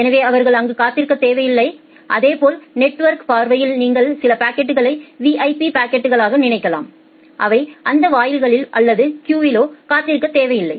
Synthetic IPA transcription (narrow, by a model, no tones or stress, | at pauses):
ɛnɐʋeːɐʋɐɾɣɐɭɐŋɡɯkaːt̪ːɪɾɯkːɐt̪ːeːʋɐjɪlːɐɪ | ʔɐðeːpoːlnɛʈːʋɐɾkpaːɾʋɐjɪlniːŋɡɐɭsɪlɐpaːkːɛʈːɯɣɐɭɐɪʋiʔɐɪpipaːkːɛʈːɯɣɐɭaːɣɐnɪɳɐɪkːɐla̰ːm | ʔɐʋɐɪʔɐnd̪ɐʋaːjɪlɣɐɭɪlʔɐlːɐðɯkjuːʋɪloːkaːt̪ːɪɾɯkːɐt̪eːʋɐjɪlːɐɪ